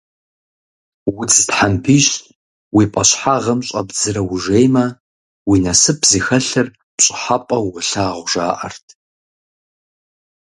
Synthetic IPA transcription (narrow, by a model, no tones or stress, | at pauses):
wʊt͡sʰʼtħampʰiɕ | wipʼɐɕħaʁɐmɕʼɐbzɨɾɐwʊʒejmɐ | winɐsɨpʰzixɐɬɨr | pɕʼɪ̥ħapʼɐwʁəɬaːʁʷʒa̰ːʔɐ̰rtʰ